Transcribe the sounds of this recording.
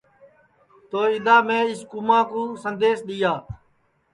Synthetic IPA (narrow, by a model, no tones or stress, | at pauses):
t̪oːɪd̪ãːmẽːɪskʊmãːkũːsənd̪eːsɗ̪ɪjaː